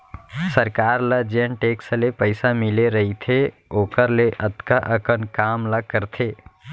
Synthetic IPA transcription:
səɾkaɾləd͡ʒənʈeksəlepəɪsamileɾəɦit̪ʰe | okəɾleʔət̪kaʔəkənkamləkəɾt̪ʰe

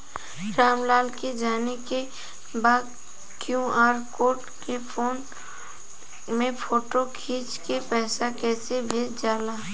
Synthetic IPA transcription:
ɾaːmlaːlked͡ʒaːneke | baːd̪ | kjũaːɾkoːʈ | kefʰoːn | mẽpoːʈokʰiːt͡ʃkepɛːsakɛːsebʱeːd͡ʒaːlaː

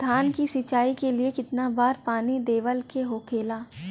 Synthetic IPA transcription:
d̪ʱaːnkisɪt͡ʃaːikeliekɪt̪nabaːɾpaːnid̪eːʋəlkeɦoːkʰeːlaː

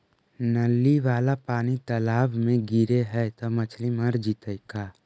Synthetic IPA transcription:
nəlːiʋaːlapaːnit̪əlaːbmẽɡiɾeɦɛt̪omət͡ʃʰliməɾd͡ʒit̪əjkaː

